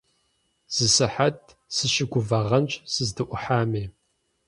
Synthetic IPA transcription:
z̥ɨsɨħat̚ʰ | sɨʃɪɡʷʊvɐʁɐnt͡ʃʼsɨzdɨʔʷʊħaːmeː

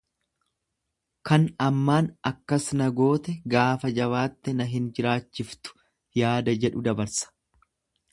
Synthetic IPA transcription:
kɐnɐmːaːnɐkːɐsnɐɡo̞ːt̪ɛɡaːfɐd͡ʒɐβaːt̪ːɛnɐɦɪnd͡ʒɪɾaːt͡ʃːɪft̪ʊ̥ | jaːd̪ɐd͡ʒɛᶑʊd̪ɐbɐɾsɐ̥

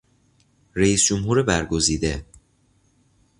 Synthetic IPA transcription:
ɾeiːsd͡ʒomɦuːɾebæɾɡo̞ziːd̪e

